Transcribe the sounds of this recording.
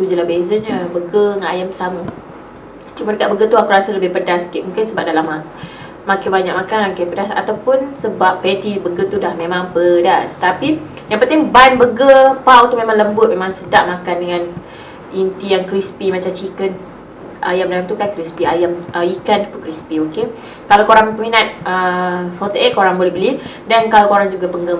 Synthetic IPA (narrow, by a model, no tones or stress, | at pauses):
t̪ud͡ʒəlabezəɲəbəɡəŋaajamsamu | t͡ʃumadəkaʔ̚bəɡət̪uakuɾasaləbɪhpədaskiʔmũŋkɪnsəbap̚dalama | makabaɲakʔ̚makanakapədasa̰t̪awpʊnsəbapːet̪ibəɡət̪udahmemaŋpədast̪api | jaŋpənt̪ɪŋbanbəɡəpawt̪umẽmaŋləmbʊt̪̚memãŋsədaʔ̚makandəŋan | int̪ijaŋkɾispimat͡ʃamt͡ʃikən | ʔajamdalamt̪ukakɾispiajamʔəikanpukɾispioke | kalawkoɾaŋpəminat̪̚əfɔt̪əʔeʔ̪̚koɾaŋbolɛhbəlidankalakoɾaŋd͡ʒuɡapəŋɡə